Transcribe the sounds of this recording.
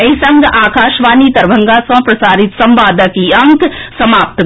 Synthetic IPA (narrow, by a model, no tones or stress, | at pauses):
ɐisɐ̃ŋɡaːkaːʃʋaːniːt̪ɐɾbʱɐ̃ŋɡaːsɐ̃pɾɐsaːɾɪt̪sɐ̃mʋaːd̪əkiɐ̃ŋksɐmaːp̚t̪